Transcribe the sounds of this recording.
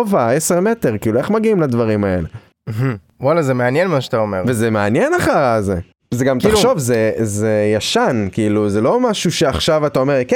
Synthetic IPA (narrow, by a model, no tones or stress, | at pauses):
vaese̞ʁme̞te̞ʁkiilue̞χmaɡiimladvaʁimae̞̰le | ɦ̩ | walazemeanjenmaʃat̪aomeʁvezemeanjenaχaʁazḛ | zeɡamtaχʃo̞vzezejaʃankiiluzelo̞maʃuʃe̞aχʃavat̪ao̞meʁk